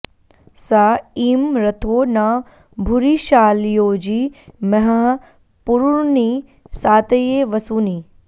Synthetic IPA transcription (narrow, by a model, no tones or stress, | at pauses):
saːiːmɾɐt̪ʰoːnaː | bʱuɾiʃaːljoːd͡ʒiːmɐɦɐɦ | puɾuɳni | saːt̪ɐjeːʋɐsuːniː